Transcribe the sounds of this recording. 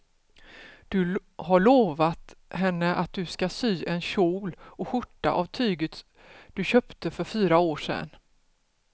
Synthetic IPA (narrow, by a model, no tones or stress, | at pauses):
d̪̥ɵhaɭoːvat̪hɛnːəʔat̪̚d̪ɵskasyːʔɛnɕuːlɔɧʊʈːa̰ʔavt̪ʰyːɡət̪ | d̪̥ɵɕœːpt̪əfœɾfyːɾaoːʂɛ̰n